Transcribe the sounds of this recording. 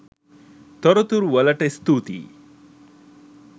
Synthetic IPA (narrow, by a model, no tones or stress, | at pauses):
t̪ɔɾɔt̪uɾʋɐlɐʈɐst̪uːt̪ḭ